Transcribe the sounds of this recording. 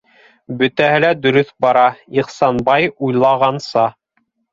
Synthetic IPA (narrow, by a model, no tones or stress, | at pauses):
bɵ̆t̪æhɘlæd̪ɵ̆ɾɵθbɑɾɑiqsɑnbɑjujlˠɑʁɑnsɑ